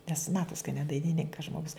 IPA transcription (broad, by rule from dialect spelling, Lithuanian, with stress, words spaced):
nʲɛs ˈmɑːtoːs kɐ nʲɛ dɐɪnʲɪˈnʲɪŋkɐs ˈʒmoːɡʊs